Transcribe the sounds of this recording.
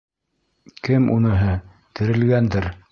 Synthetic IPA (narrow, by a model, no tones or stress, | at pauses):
kɘmṵnɤ̆ɦɤ | t̪ɘ̆ɾɘ̆lɡænd̪ɘɾ